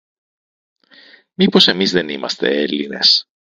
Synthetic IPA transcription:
mipo̞se̞mizðe̞nimɐ̰st̪e̞̰eline̞̰s

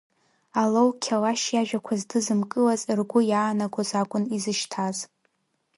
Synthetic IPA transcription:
alowkʲʰalaʃjaʒᶣakʷʰazdɨzɨmkʼɨlazrɡʷʊjaːnaɡʷozakʷʼʊnizɨʃtʰaz

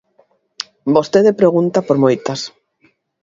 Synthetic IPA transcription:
bost̪eðepɾeɣ̞unt̪apoɾmojt̪as

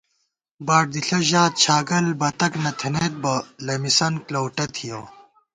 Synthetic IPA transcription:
bɐɾ̚d̪iɬɐʑaːt̪̚t͡ɕʰaːɡɐlbɐt̪ɐknɐt̪ʰeneːt̪̚bɐlɐmisɐnklowʈɐt̪ʰijoː

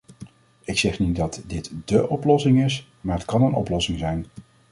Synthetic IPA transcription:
ɪksɛχnit̚dɑtdɪtdəʔɔplɔsɪŋɪs | maːɹətkɑnənʔɔ̰plɔsɪŋzɛjn

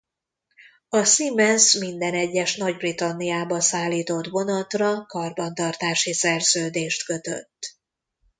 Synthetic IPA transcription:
ɒsimɛnsmind̪ɛnɛɟːɛʃnɒɟbrit̪ɒnːijaːbɒsaːlːiːt̪o̞t̪bo̞nɒt̪rɒkɒrbɒnt̪ɒrt̪aːʃisɛrzøːd̪eːʃt̪kø̞t̪ø̰t̪ː

